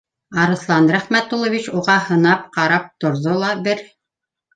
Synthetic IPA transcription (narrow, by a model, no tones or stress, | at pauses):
ɑɾɤ̆θlˠɑnɾæχmæt̪ːulˠovʲit͡ɕuʁɑhɤ̆nɑpqɑɾɑp̚t̪ŏɾðolˠɑbɘɾ